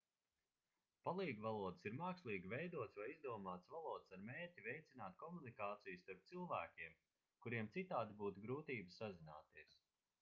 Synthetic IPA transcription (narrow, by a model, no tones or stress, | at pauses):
palˠiːɡvalˠuɔd̪ɨsiɾmaːkslˠiːɡʲivʲɛjd̪uɔt̪svajizd̪uɔmaːt̪svalˠuɔd̪saɾmeːɾcʲivɛjt̪sinaːt̪̚kɔmunikaːt̪sijust̪aɾp̚t̪silˠvæːkʲiɛm | kuɾiɛmt̪sit̪aːd̪ibuːt̪uɡɾuːt̪iːbsazina̰ːt̪iɛs